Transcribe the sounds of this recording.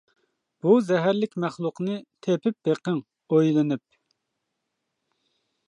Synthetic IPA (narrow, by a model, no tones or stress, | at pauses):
b̥uzɛɦæɾlɪkʲmæχlˠʊqnɨt̪ʰepɪp̚beqəŋ | ojlˠɨnyp̚